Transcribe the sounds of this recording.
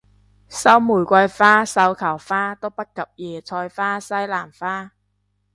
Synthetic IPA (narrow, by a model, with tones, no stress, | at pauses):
sɐ˥wmuː˨˩jkʷa˧jfaː˥sɐ˧wkʰaː˨˩wfaː˥t̪o˥wpɐ˥t̚kɐ˨˩p̚jɛː˨˩t͡ɕʰɔː˧jfaː˥sa˥˩jlaː˨˩mfaː˥˩